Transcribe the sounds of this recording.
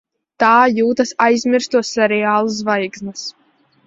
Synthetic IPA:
t̪aːjuːt̪asajzʲmʲiɾst̪uɔsːɛɾɛaːlˠus̬vajɡsnas

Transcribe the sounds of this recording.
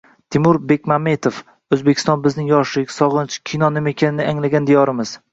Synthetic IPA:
t̪ʰɪmʊɾbe̞kʲmame̞t̪ʰof | ɵzbekʲʰɪst̪ɒnbɪznɪŋjɒʃlɪkʲsɒʁɨnt͡ʃʰkʲʰijnɒnɪme̞kʲʰanɪnɪaŋlaɡʲand̪ejɒɾɪmɪz̥

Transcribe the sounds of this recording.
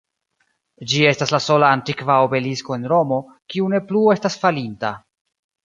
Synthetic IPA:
d͡ʒie̞staslaso̞laːntikvaobe̞lisko̞e̞nɾo̞mo̞ | kiune̞plue̞stasfalinta

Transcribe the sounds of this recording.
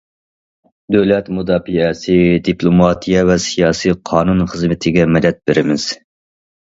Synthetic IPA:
d̪øwlɛt̪mud̪ɑːfiɛsɪd̪iplˠomɑt̪ʰijɛvɛsijɑːsiqʰɑːnunχəzmɪt̪ʰɪɡʲɛmɪd̪ɛt̪̚bɪɾɪmɪz̥

